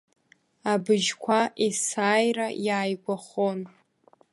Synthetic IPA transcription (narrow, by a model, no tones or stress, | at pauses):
abɨʒkʷʰaʔesaːjrajaːjɡʷaχon